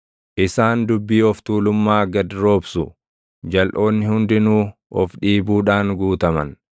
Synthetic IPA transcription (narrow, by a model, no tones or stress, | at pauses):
ʔɪsaːnd̪ʊbːiːɔft̪uːlʊmːaːɡɐd̪ɾo̞ːbsʊ | d͡ʒɐlʔo̞ːnːɪhʊnd̪ɪnuːɔfᶑiːbuːᶑaːŋɡuːt̪ɐmɐ̰n